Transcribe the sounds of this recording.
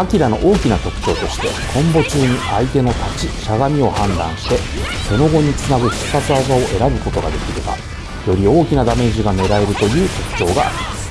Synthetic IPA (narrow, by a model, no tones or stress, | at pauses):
akʲiɾano̞̰ʔo̞ːkʲinat̪o̞kɯ̟̥t͡ɕo̞ːt̪o̞ɕi̥t̪e̞̰kʰõ̞mbo̞t͡ɕɨːɲ̟iait̪e̞no̞t̪at͡ɕiɕaɡamʲio̞hãnd̪ã̰ɰ̃ɕi̥t̪e̞ | se̞no̞ɡo̞ɲ̟it͡sɨnaɡɯ̟ɕi̥sat͡sɨazao̞ʔe̞ɾabɯ̟ko̞t̪o̞ɡad̪e̞kʲiɾeba̰ | jo̞ɾʲio̞ːkʲinad̪ame̞ːʑiɡame̞ɾae̞ɾɯ̟t̪o̞jɯ̟ːt̪o̞kɯ̟̥t͡ɕo̞ːɡa̰ːɾʲimasɨ̥